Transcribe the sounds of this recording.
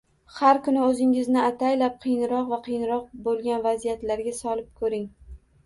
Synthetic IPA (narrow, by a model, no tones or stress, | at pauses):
haɾkʊnɪɵzɪŋɪznɪat̪ʰajlap̚qʰɨjnɪɾɒqvaqʰɨjnɾɒq̚bolˠɡʲanvazijat̪laɾɡʲasɒlˠɪp̚kʰɵɾɪŋ